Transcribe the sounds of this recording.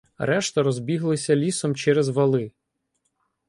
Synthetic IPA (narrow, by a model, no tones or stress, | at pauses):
ɾɛʃt̪ɐɾɔzbʲiɦlˠɪsʲɐlʲisɔmt͡ʃɛɾezʋɐlˠɪ